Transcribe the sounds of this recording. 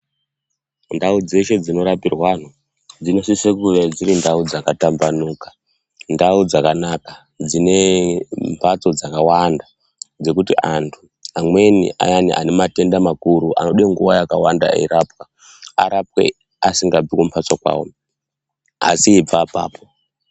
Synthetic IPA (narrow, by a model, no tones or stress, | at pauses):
ndaud͡ze̞ʃe̞d͡zino̞ɾapirwan̤u | d͡zino̞sisekuʋed͡ziɾindaud͡zakatambanuːkḁ | ndaud͡zakanaka | d͡zine̞mpʰat͡so̞d͡zakawanda | d͡ze̞kutiʔantʰu | amwe̞nḭʔa̰janiʔa̰nemate̞ndamakuɾuʔa̰no̞ɗeŋɡuʋajakawanda̰ḭɾapka | a̰ɾap̚we̞̰ | asiŋɡab͡vikompʰat͡sakwa̰ːwo̰ | a̰siːb͡vapa̰ːpo